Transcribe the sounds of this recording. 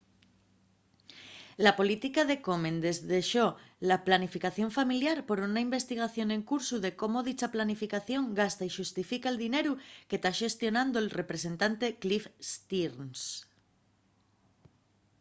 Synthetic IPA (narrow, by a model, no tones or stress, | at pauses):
lapo̞lit̪ikaðe̞ko̞mẽ̞nd̪e̞zðe̞ʃo̞laplanifikaθjo̞ɱfamiljaɾpo̞ɾunaimbe̞st̪iɣ̞aθjo̞nẽ̞ŋkuɾsuðe̞ko̞mo̞ð̞it͡ʃaplanifikaθjõ̞ŋɡast̪aiʃust̪ifikaeld̪ine̞ɾuke̞t̪aʃe̞st̪jo̞nãnd̪oelre̞pɾe̞se̞nt̪ant̪e̞klifst̪iɾns